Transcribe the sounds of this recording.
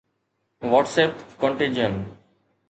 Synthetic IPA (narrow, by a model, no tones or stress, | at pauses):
ʋɔːʈseːpkɔ̃ɳʈɪ̃nd͡ʒən